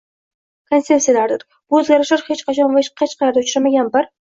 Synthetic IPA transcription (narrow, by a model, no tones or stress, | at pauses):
kʰonsepsijalaɾd̪ɪɾ | b̥ʊɵzɡʲaɾɪʃlaɾhet͡ʃqʰɑt͡ʃʰɒnvahet͡ʃqʰɑt͡ʃqʰɑlaɾd̪aʊt͡ʃɾamaɡʲanbaɾ